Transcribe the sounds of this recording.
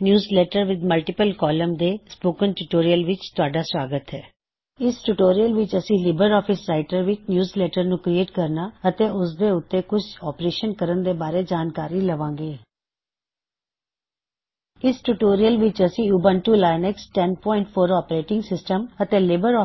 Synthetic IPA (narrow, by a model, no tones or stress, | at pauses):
njuːzleːʈəɾʋɪd̪məlʈɪpəlkɔːləmd̪eːspoːkənʈuʈoːɾiəlʋɪt͡ʃt̪ʊaːɖaːswaːɡət̪ɦɛː | ɪsʈuʈoːɾijəlʋɪt͡ʃəsĩːlɪbəɾɔːpʰɪsɾaːɪʈəɾʋɪt͡ʃnjuːzleːʈəɾnũːkɾieːʈkəɾnaːət̪eːʊsd̪eːʊt̪ːeːkʊt͡ʃʰɔːpɾeːʃənkəɾənd̪eːbaːɾeːd͡ʒaːnkaːɾiːləʋãːŋɡeː | ɪsʈuʈoːɾijəlʋɪt͡ʃəsĩːuːbə̃nʈuːlaːɪnɛksʈɛnpɔ̃ːɪɳʈpʰoːɾɔːpɾeːʈɪ̃ŋɡsɪsʈəmət̪eːlɪbəɾɔː